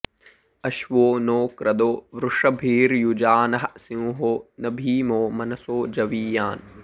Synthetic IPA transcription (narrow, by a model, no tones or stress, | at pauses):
ɐʃʋoːnoːkɾɐd̪oːʋɾʊʂɐbʱiːɾjud͡ʒaːnɐɦɐsiũːɦoːnɐbʱiːmoːmɐnɐsoːd͡ʒɐʋiːjaːn